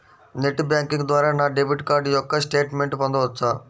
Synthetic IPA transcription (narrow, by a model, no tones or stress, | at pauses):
neʈbjãːŋkĩŋɡd̪ʋaːɾaːnaːɖebɪʈkaːɾɖjɔkːɐsʈeːʈmẽɳʈpɐ̃nd̪oɦɐaː